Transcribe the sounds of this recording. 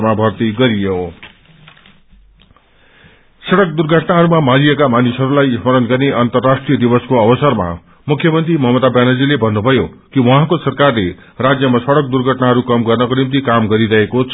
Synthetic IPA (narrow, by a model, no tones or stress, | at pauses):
mabʱʌrt̪iɡʌɾijo | sʌɽʌk̚d̪urɡʱʌʈnaɦʌɾumamaliekamanisɦʌɾulajismʌɾʌnɡʌrneʔʌnt̪ʌrːasʈrijʌd̪ibʌskoʌbʌsʌrma̰ | mukʰjʌmʌnt̪rimʌɦmʌd̪abjanʌd͡zilebʱʌnːubʱʌjokiwʌɦãkosʌrkarle | rad͡zjʌmasʌɽʌk̚d̪urɡʱʌʈnaɦʌɾukʌmɡʌrnʌkonimt̪̬ikamɡʌɾiɾʌɦekot͡sʰ